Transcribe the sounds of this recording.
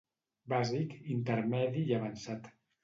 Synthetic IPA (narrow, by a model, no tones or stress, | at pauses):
bazikint̪ərmɛðiːaβansat̪